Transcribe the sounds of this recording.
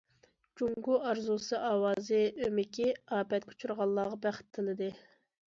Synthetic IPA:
d͡ʒuŋɡuɑɾzusɨʔɑːwɑːzɨømɪkʲiɑːpʰɛt̪kʰu̥t͡ʃʰuɾʁɑlˠːɑːʁɑbæχɪ̥t̪ʰːɨlɨd̪ɨ

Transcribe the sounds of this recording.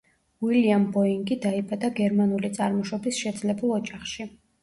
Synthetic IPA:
wiliambɔiŋɡid̪aibad̪aɡɛɾmanulit̪sʼaɾmɔʃɔbisʃɛd̪zlɛbulˠɔd͡ʒaχʃi

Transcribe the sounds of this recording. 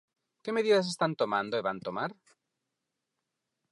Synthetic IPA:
ke̞meðiðas̬est̪ant̪o̞mãnd̪oeβant̪omaɾ

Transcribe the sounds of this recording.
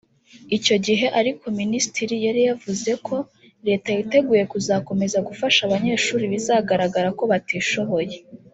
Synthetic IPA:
ico̞ɟiɦe̞ʔaɾikʰo̞ministiɾijaɾijavuze̞kʰo̞ | ɾe̞ːtajite̞ɡuːje̞kuzako̞me̞zaɡufaʃaβaɲe̞ːʃuːɾiβizaːɡaɾaɡaɾako̞βatiːʃo̞βo̞je̞

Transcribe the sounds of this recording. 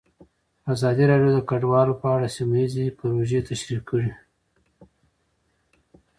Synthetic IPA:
azɑd̪iɾɑɖjod̪əkaɖwɑlopəaɽasimaizepəɾoʒet̪aʃɾiqʰkəɽi

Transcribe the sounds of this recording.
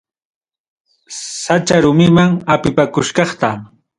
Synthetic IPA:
sat͡ʃaɾʊmɪmaŋapɪpakʊʃkɑχt̪a

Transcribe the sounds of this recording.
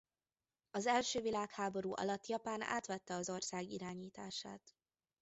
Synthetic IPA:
ɒzɛlʃøːvilaːkhaːbo̞ɾuːʔɒ̰lɒt̪ːjɒpaːna̰ːt̪ʋɛt̪ːɛɒzo̞rsaːɡiɾaːɲiːt̪aːʃa̰ːt̪

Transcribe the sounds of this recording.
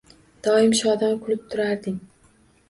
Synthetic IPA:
d̪̥ɒɪmʃɒd̪ankʰʊlɪp̚t̪ʰʊɾaɾd̪ɪŋ

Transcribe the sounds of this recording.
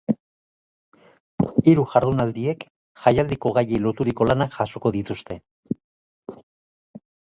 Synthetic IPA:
iɾuʝaɾðunald̪ie̞k | ʝajald̪iko̞ɣ̞ajelo̞t̪uɾiko̞lanaʝaso̞ko̞ðit̪ust̪e̞

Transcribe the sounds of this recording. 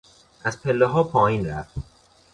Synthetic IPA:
ʔæzpʰelːeɦɒːpʰɒːjiːnɾæft̪

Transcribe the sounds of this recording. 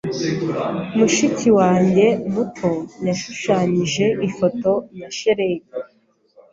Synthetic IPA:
muʃiciwaːɲɟe̞mutʰo̞jaʃuʃaːɲiʒe̞ifo̞to̞jaʃeɾeɡe

